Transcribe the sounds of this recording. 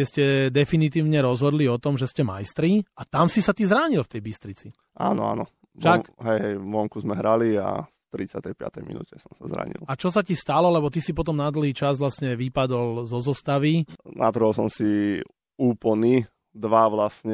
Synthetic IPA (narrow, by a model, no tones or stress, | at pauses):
ɛscɛd̪ɛfinit̪̬iːʊɲɛɾɔzɦɔd̪liɔt̪ɔmʒɛscɛmajst̪ɾiat̪amsisat̪izɾaːɲilft̪ɛjbist̪ɾit͡si | a̰nɔ̰a̰nɔ | ʃaɦɛjɦɛjʋɔŋkuzmɛɦɾalia̰ft̪ɾit͡sɪa̰t̪ɛjpɪa̰t̪ɛjmḭnṵːcɛsɔmsazɾa̰ːɲḭlˠat͡ʃɔs̬acist̪alɔlɛbɔt̪isipɔt̪̬ɔmnad̪l̩ɦiːt͡ʃazʋlasɲɛʋipad̪ɔlzɔzɔst̪aʋinʔa̰d̪r̩ɦɔlsɔmsi | uːpl̩ni | d̪ʋaʋlasɲɛ